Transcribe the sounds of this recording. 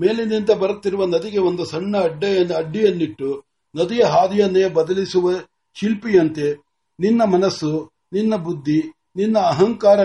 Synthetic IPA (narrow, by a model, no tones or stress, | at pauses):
meːlenint̪ɐbɐɾut̪ːiɾuʋɐnɐd̪iɡe̞o̞nd̪usɐɳːɐːɖːɐjɐnɐɖːijɐnːiʈːu | nɐd̪ijɐɦaːd̪ijɐnːeːbɐd̪ɐlisuʋɐ | ʃilpijɐnt̪e̞ | ninːɐmɐnɐsːu | ninːɐbud̪ʱːi | ninːɐːɦɐŋkaːɾɐ